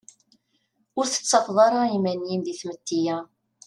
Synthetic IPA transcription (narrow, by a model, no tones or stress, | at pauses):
ʊɾθə̥t͡sːɑfðˤɑɾˤɑimænjinðiθmət̪ːijæ